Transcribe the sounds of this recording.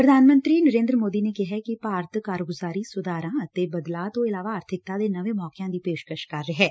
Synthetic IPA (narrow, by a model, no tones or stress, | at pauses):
pɾəd̪ʱaːnmə̃nt̪ɾiːnəɾẽːnd̪ɾəmoːd̪inekɪɦɛkipaːɾt̪ʰkaːɾɡʊzaːɾisʊd̪aːɾãːət̪ebəd̪laːt̪oɪlaːʋaːɾt̪ʰɪk̚t̪aːd̪enɐʋẽmɔːkɪjãːd̪iːpeːʃkəʃkɐɾːeɦɛː